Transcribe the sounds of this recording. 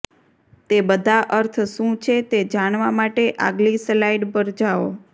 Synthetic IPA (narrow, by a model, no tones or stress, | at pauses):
t̪ebəd̪ʱaʔəɾt̪ʰʃũt͡ʃʰet̪ed͡ʒaɽ̃ʋamaʈeʔa̰ɡlislaiɖpəɾd͡ʒao